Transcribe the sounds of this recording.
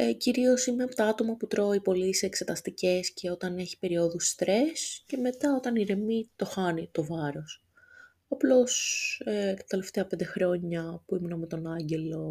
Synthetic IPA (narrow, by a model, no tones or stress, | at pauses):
eciɾio̞simeɐpot̪ɐɐt̪o̞mɐput̪ɾo̞ipo̞liseːkse̞t̪ɐst̪ice̞sce̞o̞t̪ɐne̞çi̥pe̞ɾio̞ðust̪ɾe̞sce̞me̞t̪ɐo̞t̪ɐniɾe̞mit̪o̞xɐnit̪o̞vɐɾo̞s | ɐplo̞sekt̪ɐ̥t̪e̞le̞ft̪e̞ɐpe̞nd̪e̞xɾo̞ɲɐpuimunɐmet̪o̞nɐɲɟe̞lo̞